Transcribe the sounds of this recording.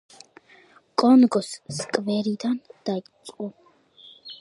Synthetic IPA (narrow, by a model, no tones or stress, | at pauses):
kʼɔnɡɔsːkʼvɛɾid̪and̪̥ajt͡sʼu